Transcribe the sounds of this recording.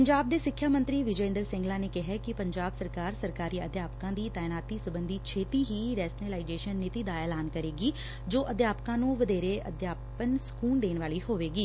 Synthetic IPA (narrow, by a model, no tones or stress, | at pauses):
pəɲd͡ʒaːb̚d̪eːsɪkʰːjaːmə̃nt̪ɾiːʋɪd͡ʒẽːnd̪əɾsɪ̃ŋɡlãːneːkɪɦɛːkɪpəɲd͡ʒaːbsəɾkaːɾsəɾkaːɾiːəd̪jaːpkãːd̪iːt̪aːɪnaːt̪iːsəbənd̪iːt͡ʃʰeːt̪iːɦiːɾɛːsnelaːɪd͡ʒeːʃənːɪt̪iːd̪aːɛːlaːnkəɾeːɡiː | d͡ʒoːʔəd̪jaːpkãːnũːʋəd̪eːɾeːə̰d̪jaːpənsə̥kuːnd̪eːnʋaːliːɦoːʋeːɡiː